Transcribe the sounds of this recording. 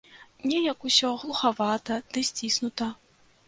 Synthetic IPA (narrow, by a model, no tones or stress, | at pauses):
nʲɛjɐkusʲɔɣlˠuxavat̪ɐd̪̥ɨsʲt͡sʲisnut̪ɐ